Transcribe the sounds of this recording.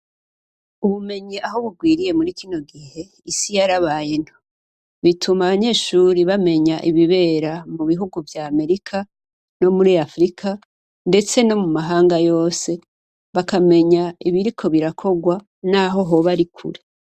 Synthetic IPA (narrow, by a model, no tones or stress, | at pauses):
uβume̞ɲiʔaɦo̞βuɡwiːɾije̞muɾikino̞ɡihe̞ | isijaɾaβaːjen̥ho | βitʰumaβaɲe̞ːʃuɾiβame̞ɲaʔiβiβe̞ːɾamuβiɦuɡuvjaːme̞ɾikʰa | no̞muɾiafɾikʰa | nde̞t͡se̞no̞mumaɦaːŋɡajo̞ːse̞ | βakame̞ɲaiβiɾikʰo̞βiɾakʰo̞ɡwa | naːɦo̞ɦo̞βaɾikʰṵɾe̞